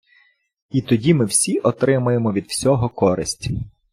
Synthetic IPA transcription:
it̪ɔdʲimɪwsʲiʔɔt̪ɾɪmʊjemɔʋʲid̪wsʲɔɦɔkɔɾɪsʲtʲi̥

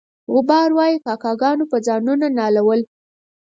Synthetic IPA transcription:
ɣʊbɑɾwɑjikɑkɑɡɑnopəd͡zɑnunanɑlawəl

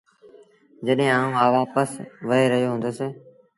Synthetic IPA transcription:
d͡ʒəɗɦẽːaːũːaːʋaːpəsʋəɦeːɾəɦijoːɦʊ̃nd̪oːseː

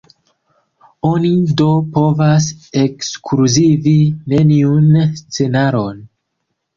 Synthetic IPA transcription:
o̞nido̞po̞vas̬e̞kskʰluzivine̞niunst͡se̞naɾo̞n

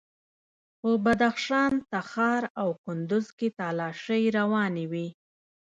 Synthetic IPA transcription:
pəbad̪axʃɑnt̪axɑɾawkʊnd̪ʊzket̪ɑlɑʃəjɾawɑniwi

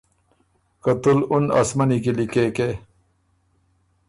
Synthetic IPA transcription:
kɐt̪ulunɐ̰smɐnikilikeːke

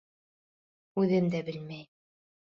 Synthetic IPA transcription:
ʉðɘmd̪æbɘlmæj

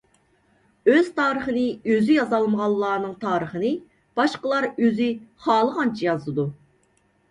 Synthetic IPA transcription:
øz̥t̪ʰɑːɾəχənɨøzyjɑzɑlˠməʁɑlˠːɑːnɨŋt̪ʰɑːɾəχənɨ | b̥ɑʃqəlˠɑɾøzyχɑːlˠəʁɑnt͡ʃʰɛjɑzɨd̪u

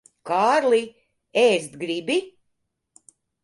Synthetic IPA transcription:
kaːɾli | eːst̪ɡɾibi

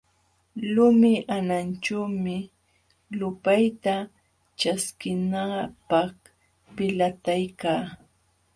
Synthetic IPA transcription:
lʊmɪʔanant͡ʃawmɪ | lʊpajt̪a | t͡ʃaskɪnapɑχ | pɪlat̪ajkaː

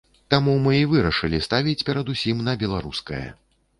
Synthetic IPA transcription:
t̪amumɨivɨɾɐʂɨlʲist̪avʲit͡sʲpʲɛɾɐd̪usʲimnɐbʲɛlˠaɾuskɐ̰jɐ̰

